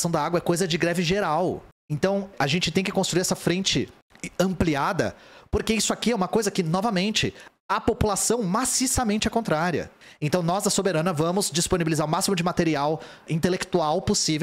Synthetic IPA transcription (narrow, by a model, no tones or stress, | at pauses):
sɐ̃w̃d̪ɐaɡwɐɛkojzɐd͡ʒɪɡɾɛvɪʒeɾaw | ẽnt̪ɐ̃w̃aʒẽnt͡ʃɪt̪ẽj̃kɪkõst̪ɾuiɾɛsɐfɾẽnt͡ʃɪ | ɐ̃mpliad̪ɐ̰poɾkeisʊakiɛũmɐkojzɐkɪnɔvɐmẽnt͡ʃɪ | ɐpopulasɐ̃w̃masisɐmẽnt͡ʃɪɐkõnt̪ɾaɾiɐ̰ | ẽnt̪ɐ̃w̃nɔzd̪ɐsobeɾɐ̃nɐvɐ̃mʊzd͡ʒisponibilizaɾʊmasimʊd͡ʒɪmat̪eɾiaw | ĩnt̪elekt̪uawposivew